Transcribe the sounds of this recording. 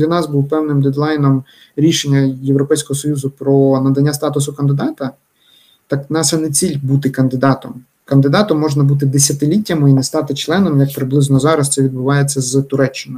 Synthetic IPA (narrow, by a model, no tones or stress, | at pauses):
lʲɐnɑsbuwpɛwnɪmd̪ɛd̪lˠɑjnɔm | ɾʲiʃenʲːɐjewɾɔpɛjsʲkɔɦɔsɔjuzʊpɾɔnɐd̪ɐnʲːast̪ɑt̪ʊsʊkɐnd̪ɪd̪ɑt̪ɐ | t̪ɑknɑsɛnet͡sʲilʲbut̪ɪkɐnd̪ɪd̪ɑt̪ɔm | kɐnd̪ɪd̪ɑt̪ɔmːɔʒnɐbut̪̬ɪd̪esʲɐt̪ɪlʲitʲːɐmɪinɛst̪ɑt̪ɪt͡ʃlˠɛnɔmjɐk̚pɾɪblˠɪznɔzɑɾɐst̪sɛʋʲid̪̚bʊʋɑjet͡sʲːɐzt̪ʊɾɛt͡ʃːɪnʊ